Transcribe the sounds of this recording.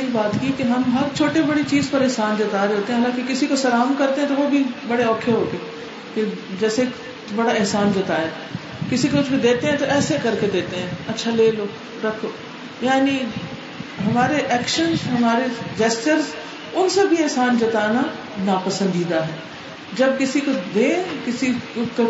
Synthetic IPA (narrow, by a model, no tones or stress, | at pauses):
ibaːt̪kikeɦɐmɦɐɾt͡ʃʰoːʈebɐɽit͡ʃiːzpɐɾɛɦsaːnd͡ʒɐt̪aːɾeɦoːt̪ẽɦɛ̃ɦaːlãːkikɪsikosɐɾaːmkɐɾt̪eɦɛ̃t̪oʋobʱibɐɽeɔːkʰjoɦoːk̪eː | ked͡ʒɛːseːk | bɐɽaɪɦsaːnd͡ʒɐt̪aːɛː | kɪsikoʊt͡ʃbʱid̪eːt̪eɦɛ̃t̪oʔɛːsekɐɾked̪eːt̪eɦɛ̃ːɐtːʃʰaleːloː | ɾɐkʰoː | jaːni | ɦɐmaːɾeʔɛːkʃənzɦɐmaːɾed͡ʒɛːst͡ʃəɾz | ʊnsebʱiɛɦsaːnd͡ʒɐt̪aːna | napɐsə̃nd̪iːd̪aɦɛː | d͡ʒɐbkɪsikod̪ẽːkɪsiko